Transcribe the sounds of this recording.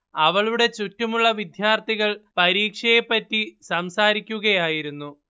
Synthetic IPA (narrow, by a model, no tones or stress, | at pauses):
ɐʋɐɭuɽe̞t͡ɕutːɐmuɭːɐʋid̪ʱjaːrt̪ʰiɣɐɭpɐɾiːkʂɐjepːɐtːisɐmsaːɾikʲːuɣɐjaːjiɾunːu